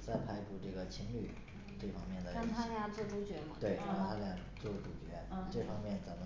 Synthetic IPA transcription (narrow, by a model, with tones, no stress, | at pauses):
t͡sa˥˩ɪpʰa˧˥ɪʈ͡ʂu˨˩ʈ͡ʂɤ˥˩ɡə˩t͡ɕʰi˧˥ŋly̰˥˩ | ʈ͡ʂɤ˥˩fɑ˥ŋmjɛ˥˩nd̪ə˩ɑ˥˧t̪ʰa˥lja˥˧˩t͡swɔ˥˩ʈ͡ʂu˧˥t͡ɕɥɛ˧˥mɐ˧˩t̪we˥˩ɪɑ˥˩t̪ʰa˥lja˥˩ | t͡swɔ˥˩ʈ͡ʂu˨˩t͡ɕɥɛ˧˥ʈ͡ʂɤ˥˩fɑ˥ŋmʲjɛ˥˩nt͡sa˧˥ɪmə˧˦